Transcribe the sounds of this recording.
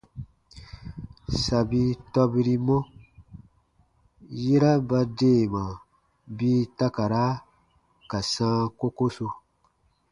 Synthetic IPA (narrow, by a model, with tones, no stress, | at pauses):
sa˨bi˧tɔ˦bi˦ɾi˦mɔ̃˦ | ji˦ɾa˦ba˧deː˦˨mã˨ | biː˦ta˦ka˨ɾa˦ | ka˨sãː˦ko˦ko˦so˧